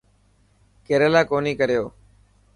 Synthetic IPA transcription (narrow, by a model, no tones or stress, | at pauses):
keːɾelaːkoːniːkəɾɪjoː